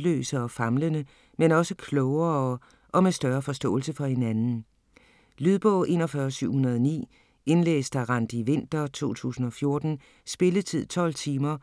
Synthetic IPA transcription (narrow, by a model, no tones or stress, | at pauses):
lø̰ːsɐɒ̽fɑ̈mlənə | menɒ̽səkʰlɔʊɐ | ʔɒ̽mesd̥ɶɐfɒ̽sd̥ɔ̰̽ːlsəfɒ̽he̝nænn̩ | lyðˠb̥ɔʔe̝nɒfɶɐsyʊ̰hunɐð̞ˠnḭː | e̝nlḛːsd̥æʁɑnd̥iʋe̝n̰d̥ɐt͡sʰo̝̰ːt͡sʰṵːsn̩ɒ̽fjo̝ɐd̥n̩ | sb̥e̝lət͡sʰið̞̰ˠt͡sʰɒ̽l̰t͡sʰiːmɐ